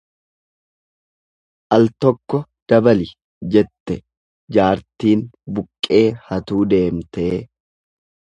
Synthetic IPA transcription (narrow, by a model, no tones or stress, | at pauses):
ʔɐlt̪ɔkːɔ | d̪̥ɐbɐlɪ | d͡ʒɛt̪ːɛ | d͡ʒaːɾt̪iːnbʊkʼːe̞ːhɐt̪uːd̪e̞ːmt̪e̞ː